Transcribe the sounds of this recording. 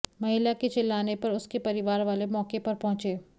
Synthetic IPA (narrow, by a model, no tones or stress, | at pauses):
mɐɦɪlaket͡ʃɪlːaːnepɐɾʊskepɐɾɪʋaːɾʋaːlemɔːkepɐɾpɔ̃ɦʊ̃t͡ʃeː